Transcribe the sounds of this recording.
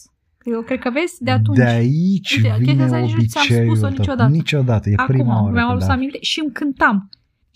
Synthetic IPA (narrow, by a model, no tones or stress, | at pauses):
kɾekəave̞sʲd̪eat̪uneait͡ʃʲvine̞obit͡ʃejut͡ʃod̪anit͡ʃo̞d̪at̪əjepɾimaoɾmjamalussamint̪e̞ʃiɨmkɨnt̪am